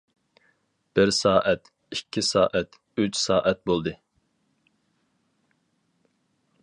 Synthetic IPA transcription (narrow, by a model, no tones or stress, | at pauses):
b̥ɪɾsɑːʔɛt̪ | ikʲʰːisɑ̰ːʔɛt̪ | yt͡ʃʰsɑːʔɛt̪̚bolˠd̪ɨ